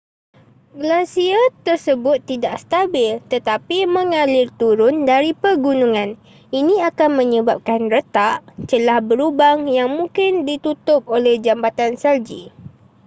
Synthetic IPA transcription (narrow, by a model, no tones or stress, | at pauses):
ɡəlasiat̪ərsəbʊt̪ːidaʔst̪abɪlt̪ət̪apimə̃ŋãlɪrt̪uɾʊndaɾipərɡunũŋãn | inĩakanmə̃ɲəbap̚kanrət̪aʔt͡ʃəlahbəɾubaŋjaŋmũŋkɪndit̪ut̪ʊp̚olɛhd͡ʒambat̪ansald͡ʒḭ